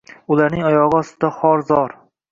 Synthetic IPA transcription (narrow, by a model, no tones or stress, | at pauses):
ʊlaɾnɪŋɒjɒʁɨɒst̪ɪd̪aχɒɾzɒɾ